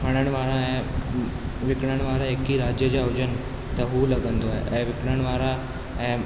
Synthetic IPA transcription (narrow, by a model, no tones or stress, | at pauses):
pʰəɽ̃əɳʋaɾaɦɛ̃ | ʋikɳəɳʋaɾaekːiːɾad͡ʑjəd͡ʑjawd͡ʑən | t̪əɦuːləɡənd̪oa̰ɛ̃ʋikɳəɳʋaːɾa | ɛ̃